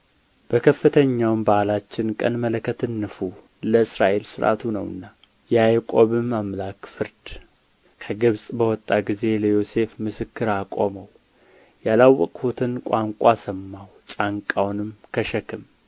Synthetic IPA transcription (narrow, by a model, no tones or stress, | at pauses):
b̥əkʰəfːɨt̪ʰəɲːawmbalat͡ʃːɪnkʼə̰nmələkʰːət̪ʰɨnːɨfu | ləɨsɾaʔe̞lsɨɾʔa̰t̪ʰunəwɨ̰nːa | jɛajkʼo̞βɨmːamlakfɨɾd̪̥ | kʰəɡɨβsʼbəwɔt̪ʼːaɡize̞ləjo̞se̞fmɨsɨkːɨɾakʼoməw | jalawːɔkʼfut̪ʰɨnkʷʼaŋkʷʼasəmːawt͡ʃʼaŋkʼawnɨmkʰəʃəkʰɨm